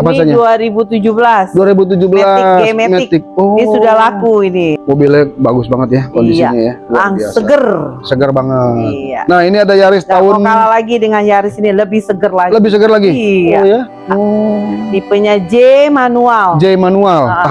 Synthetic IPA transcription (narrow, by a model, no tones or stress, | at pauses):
apasaɲaduaɾibut̪ud͡ʒubəlasduaɾibut̪̬ud͡ʒubəlasemetmɛɪkt̪ɪk̚ɔnsudahlakuinimobilɛbaɡʊsbaŋət̪̚jakondisianijadaŋasəɡərsəɡərbaŋət̪ia̰nahiniadajaɾɪstd̪aʊnalalaɡidəŋanjaɾɪsiniləbɪhsəɡərlaɡləbɪhsəɡərlaɡija | dipəɲad͡ʒemanuald͡ʒemanuala